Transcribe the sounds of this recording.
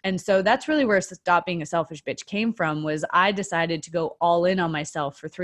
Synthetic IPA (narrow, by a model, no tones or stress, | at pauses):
ɨ̃nsoʊðætsɹɪlˠiwə˞stɑp̚b̥iɪ̃ŋɨsɛlˠfɨʃb̥ɪt͡ʃkʰẽɪ̃ɱfɹʌ̃mwʌza̰ɪdɨsaɪɾɨd̚tʰɨɡoʊʔʔɔlˠɪ̃nə̃nmaɪsɛlˠfə˞θɹ